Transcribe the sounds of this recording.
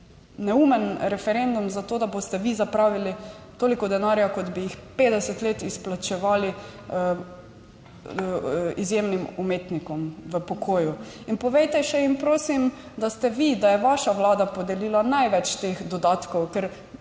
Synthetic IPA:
nɛumɛnɾɛfɛɾend̪umzat̪oːd̪abost̪ɛʋizapɾaːʋili | t̪oːlikɔd̪ɛnaɾjakɔd̪bijixpeːd̪ɛsɛt̪leːt̪isplat͡ʃɛʋaːli | izjemnimumeːt̪nikɔmʋəpɔɡoːju | inpɔʋɛjt̪ɛʃɛimpɾoːsimd̪ast̪ɛʋid̪ajɛʋaʃaʋlaːd̪apod̪ɛliːlanajʋɛt͡ʃt̪eːxd̪ɔd̪aːt̪kɔwkɛɾ

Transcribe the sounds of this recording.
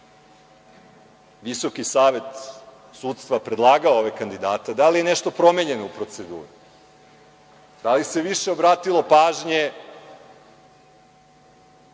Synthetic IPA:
ʋiso̞kisaːʋe̞t̪ | suːt̪st̪ʋapɾed̪lˠaːɡaooʋekand̪id̪aːt̪ed̪alijeneʃt̪o̞pɾo̞meɲe̞no̞upɾo̞t̪se̞d̪ṵːɾi | d̪̥alise̞ʋiʃeobɾaːt̪ilˠo̞paːʒɲe

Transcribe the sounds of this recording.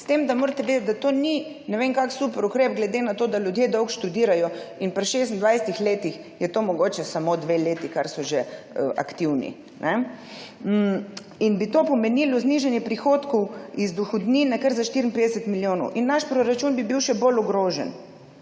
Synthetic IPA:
st̪emd̪amoːɾt̪ɛʋeːd̪ət̪̚d̪at̪oni | nɛʋeːŋkaksupəɾukɾepɡlɛd̪enat̪oːd̪aljud̪jeːd̪ɔwkʃt̪ud̪iːɾajɔinpɾiʃest̪n̩d̪ʋajsɛt̪ixleːt̪ix | jɛt̪oːmɔɡoːt͡ʃɛsamod̪ʋeleːt̪ikaɾsɔʒe | əʔa̰kt̪iwnḭ | nʔɛ | m̩ | inbit̪oːpɔmɛnilɔzniʒɛnjɛpɾixoːt̪kɔwizd̪uxɔd̪niːnɛkəɾzaʃt̪iɾin̩ped̪ɛsɛt̪miljoːnɔʊʔinːaʃpɾɔɾat͡ʃunbibiwʃɛbolɔɡɾoːʒɛ̰n

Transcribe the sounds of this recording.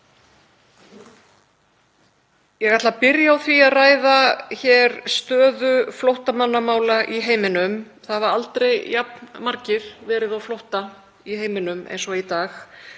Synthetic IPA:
jɛɣajt̪lapɪɾjaawθviaðraːjðaçɛɾst̪œːðʏflowht̪amanːamaːwlaʔiɦeːjmɪnʏm | θaðvaɾalt̪ɾejjapnmaɾcɪɾ̥vɛːɾɪðawflowht̪a | iheːjmɪnʏmʔḛjnsɔit̪aːx

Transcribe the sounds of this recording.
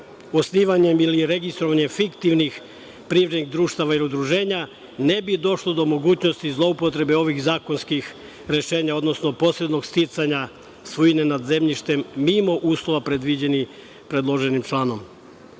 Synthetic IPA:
o̞sniːʋaɲe̞miliɾe̞ɡist̪ɾo̞ʋaɲe̞mfikt̪iʋnix | pɾiʋɾed̪niɣd̪ɾuːʃt̪aʋailiud̪ɾuʒe̞ːɲa | ne̞bid̪o̞ʃlod̪o̞mo̞ɡuːt͡ɕno̞st̪izlˠo̞upot̪ɾe̞be̞o̞ʋixzaːko̞nskix | ɾe̞ʃe̞ːɲao̞d̪no̞sno̞po̞sɾe̞d̪no̞ɡst̪it̪saɲa | sʋuine̞nad̪ze̞mʎiʃt̪e̞mːimo̞ʔuːslˠoʋapɾe̞d̪ʋid͡ʑe̞nix | pɾe̞d̪lˠo̞ʒe̞nimt͡ʃlˠaːno̞m

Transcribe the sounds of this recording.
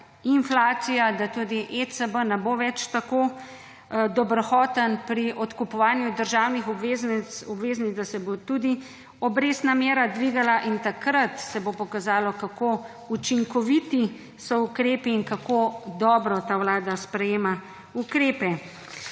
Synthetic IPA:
inflaːsijad̪at̪ud̪iʔesəbənɛboʋɛt͡ʃt̪ako | d̪ɔbɾxɔːt̪ənpɾiʔɔt̪kupɔʋaːnjud̪əɾʒaːwnixɔbezɔbʋeːznid̪asɛbot̪ud̪i | ɔbɾeːsnamjeːɾad̪ʋiɡalaʔint̪akɾat̪sɛbopɔkazaːlɔkako | ut͡ʃiŋkɔʋit̪i | sɔukɾeːpiːŋkakod̪ɔːbɾɔt̪aːwlaːd̪aspɾɛjeːma | ukɾeːpɛ

